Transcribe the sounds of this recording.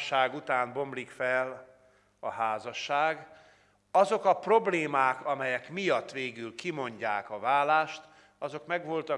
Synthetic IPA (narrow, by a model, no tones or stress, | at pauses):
ʃːaːɡut̪aːnbo̞mblikfɛl | ɒɦaːzɒʃːaːɡ | ɒzo̞kɒpro̞bleːmaːkɒmɛjɛkmijɒt̪ːʋeːɡylkimo̞ɲɟaːkɒvaːlaːʃt̪ | ɒzo̞kmɛɡʋo̞lt̪ɒ